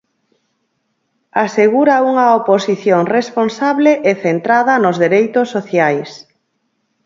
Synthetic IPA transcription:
aseɣuɾauŋɐoposiθjoŋresponsaβleʔeθent̪ɾaðɐnozðeɾejt̪ʊsːoθjajs

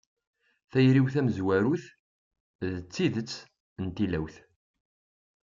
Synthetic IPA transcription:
θæjɾiwθæməzwæɾuθ | ðət͡sːiðət͡sː | ənt̪ilæwθ

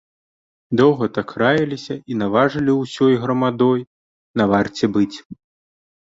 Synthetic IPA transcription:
d̪ɔwɣɐt̪akʰɾajɐlʲisʲɐinavaʐɨlʲiwsʲɔjɣɾɐmad̪ɔj | navart͡sʲɛbɨt͡sʲ

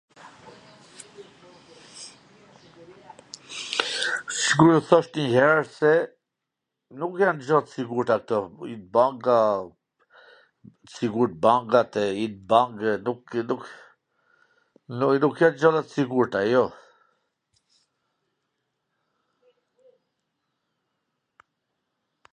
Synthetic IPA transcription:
siɡuɾɔθɔʃt̪ɲəhɛɾsɛ | nukjand͡ʒɔt̪siɡuɾt̪ak̚t̪ɔit̪̚baŋɡa | siɡuɾt̪̚baŋɡat̪ɛit̪̚baŋɡnuku | nukjand͡ʒɔlat̪siɡuɾt̪ajɔ

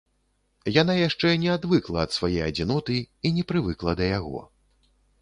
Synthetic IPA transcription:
janajaʂt͡ʂɛnʲɛad̪vɨklˠɐːt̪svajejɐd͡zʲinɔt̪ɨinʲɛpɾɨvɨklˠɐd̪ɐjaɣɔ̰

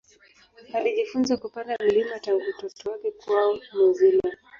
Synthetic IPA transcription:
aliʄifunzakupandam̩limataŋɡutɔtɔakikuaɔmɔzila

